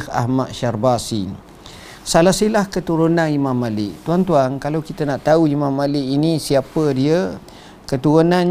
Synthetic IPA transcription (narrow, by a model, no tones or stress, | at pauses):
ha̰ɦmat̪̚ʃarbasḭ | salasilahkət̪uɾunãnimãmːalɪʔt̪uant̪uaŋkalawkit̪ənaʔt̪auimãmːalɪʔinisiapədiə | kət̪uɾunãn